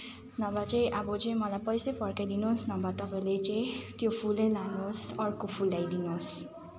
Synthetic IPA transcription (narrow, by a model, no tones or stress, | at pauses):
nʌbat͡saĩʔabʌt͡sʌĩmʌlajpʌjsepʰʌrkajd̪inosnʌbat̪ʌpaĩlet͡saĩt̪jopʰulejlanosʌrkopʰulːajd̪inos